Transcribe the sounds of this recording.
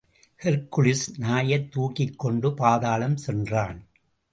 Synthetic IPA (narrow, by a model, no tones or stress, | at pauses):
hɛɾkːʊɭɪsnaːjɐt̪ːuːkɪkːɔɳɖɯpaːðaːlɐmsɛndraːn